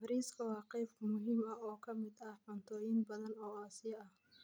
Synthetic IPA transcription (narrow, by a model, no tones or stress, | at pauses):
bɾiːskʰɐwɑːqɛjbmʊɦiːmɐɔːkʰɐmɪd̪ɐhħɔnt̪ʰɔːjɪnbɐðɐnɔːaːsɪjɐʔɐh